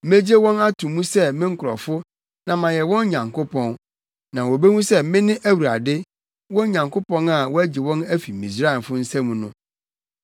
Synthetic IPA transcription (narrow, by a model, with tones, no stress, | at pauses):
me˦d͡ʑe˦wɔ̃˦na˦tʰũ˨mũ˦sɛ˦mɪ̃˦ŋ̩˦kʰʊ˨ɾɔ̰˨fʊ˦ | nã˨mã˨jɛ˨wɔ̃˦n˦ɲã˨ŋkʰo˦pʰɔ̃˦n | nã˨wo˨be˦mũ˦sɛ˦mɪ̃˦nɪ̃˦ʔæ˦wu˨ɾa̰˨dɪ˦ | wɔ˦ɲã˨ŋkʰo˦pɔ̃˦na˨wɔ˦æ˦d͡ʑi˨wɔ̃˦næ˦fi˨ḭ̃˨s̬ɾa˦ɛ˨nfʊ˦n̩˦sæ̃˦mũ˨nʊ̃˦